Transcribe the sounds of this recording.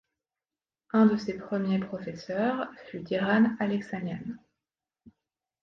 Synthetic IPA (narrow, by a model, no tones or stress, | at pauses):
ɛ̃d̪əsepχəmjepχɔfɛsœʁfyd̪iʁanalɛksanjan